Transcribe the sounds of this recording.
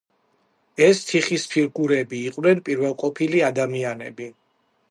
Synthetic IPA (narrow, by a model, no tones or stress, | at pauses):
ɛst̪ʰiχispʰiɾɡuɾɛbiːqʼwnɛnpʼiɾvɛlˠqʼɔpʰiliad̪amianɛ̰bi